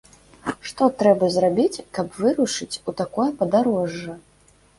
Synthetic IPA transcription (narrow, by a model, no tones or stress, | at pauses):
ʂt̪ɔt̪ɾɛbɐzrabʲit͡sʲkɐpvɨɾuʂɨt͡sʲut̪akɔjɐpɐd̪aɾɔʐːɐ